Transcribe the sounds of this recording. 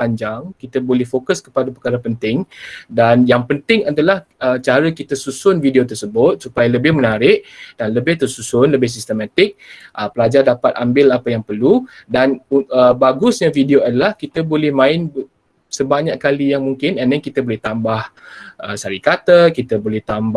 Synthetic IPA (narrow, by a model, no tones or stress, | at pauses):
paɲd͡ʒaŋkit̪əbolɛhfokəskə̥padapəkaɾapənt̪ɪŋdanjaŋpənt̪ɪŋadalahət͡ʃaɾəkit̪asusʊnvidiot̪ərsəbʊt̪̚supajaləbɪhmənaɾɪʔd̥anləbɪht̪ərsusʊnləbɪhs̬ist̪əmat̪ɪk̚ʔəpəlad͡ʒardapat̪̚ambɪlapəjaŋpərludanuəbaɡʊsɲavidioadalahkit̪əbolɛhmãɪnb | səbaɲaʔkːalijaŋmuŋkɪnanɛnkit̪əbolɛht̪ambahʔəsaɾikat̪əkit̪əbolɛht̪amb